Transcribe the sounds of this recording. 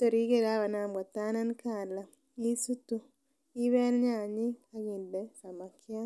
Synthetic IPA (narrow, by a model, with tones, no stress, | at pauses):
to˨ɾi˦ke˨ɾa˦βa˨naː˨mɡa˨ta˦na˦nkaː˨la˨ | i˦su˦tu˦ | i˦βɛ˦n˦ɲa˨ɲi˦a˦ɣi˨nde˦sa˨ma˨kʰja˦